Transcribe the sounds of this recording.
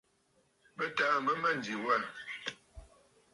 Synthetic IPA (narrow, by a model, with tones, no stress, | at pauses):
bə˦taː˦mbə˦mə˦˨n˨di˨wɛ˦˨